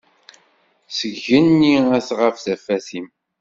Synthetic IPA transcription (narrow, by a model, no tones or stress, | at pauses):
səʝənːiæθʁəfθæfæθim